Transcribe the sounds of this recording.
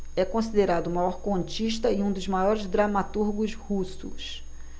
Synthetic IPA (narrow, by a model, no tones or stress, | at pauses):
ɛkõsid̪eɾad̪ʊmajɔɾkõnt͡ʃiʃt̪ɐiũd̪ʊzmajɔɾɪzd̪ɾamat̪uɾɡʊzhusʊ̰s